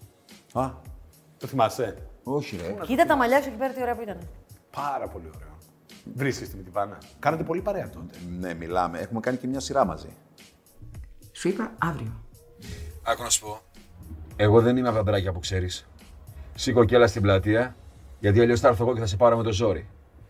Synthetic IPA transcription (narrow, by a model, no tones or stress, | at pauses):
ɐ | t̪oθimɐst̪e̞o̞çieit̪ɐt̪ɐmɐʎɐsucipeɾɐt̪io̞ɾe̞ɐpuit̪ɐnepɐɾɐpo̞lio̞ɾe̞o | vɾiskest̪imet̪ivɐnɐkɐnet̪epo̞lipɐɾeɐt̪ot̪enemilɐ̰meexume̞kɐnicemɲɐsiɾɐmɐ̰zḭ | suipɐɐvɾio | ɐxonɐsu̥po̞ | e̞ɣo̞ðe̞nimeptot̪ɐbɾɐcɐpukse̞ɾis | sikoce̞lɐst̪iblɐt̪iɐʝɐt̪iɐʎost̪ɐɾθoɣoceθɐse̞pɐɾome̞t̪o̞zo̞ɾi